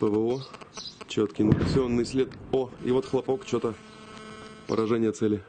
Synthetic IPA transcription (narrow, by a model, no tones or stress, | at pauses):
pəvəot͡ɕot̪kʲɪnʲsʲɪonːɨjsʲlʲet̪oḭvot̪xlˠɐpokt͡ɕot̪ə | pə̰ɾɐʐɛnʲɪjət̪sɛlʲɪ